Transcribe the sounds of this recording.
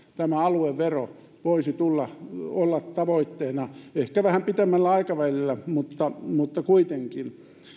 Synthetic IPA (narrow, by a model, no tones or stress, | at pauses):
t̪æmæɑlueʋʋero | ʋoisit̪ulːɑolːɑt̪tɑʋoit̪ːeːnɑehkæʋæhæmpit̪emːælːæɑikɑʋælilːæmut̪ːɑmut̪ːɑkuit̪eŋkin